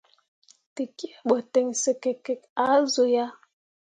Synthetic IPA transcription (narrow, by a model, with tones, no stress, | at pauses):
te˨ki˦e˦˨ɓo˨te˨ŋsə˨ke˨kːe˨k̚a˨˦zo˨ja˦